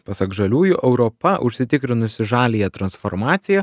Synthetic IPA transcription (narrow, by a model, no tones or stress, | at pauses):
pɐsɐkʒɐlʲuːjʊʔɛʊɾɔpɐʔʊ̰ʃʲsʲɪt̪ʲɪkɾʲɪnʊsʲɪʒɑːlʲijɛt̪ɾɐnsfoːɾmɑːt̪sʲɪjɛ